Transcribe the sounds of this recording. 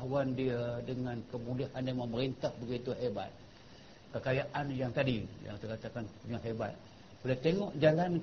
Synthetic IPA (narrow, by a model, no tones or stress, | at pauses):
wandiadəŋãnkəmulihandaməməɾint̪ahbəɡit̪uɦeba̰t̪̚ | kəkajaʔanjaŋt̪adija̰ŋt̪əkat̪akanpuɲaɦeba̰t̪̚ | bulat̪eŋɔʔd͡ʒalan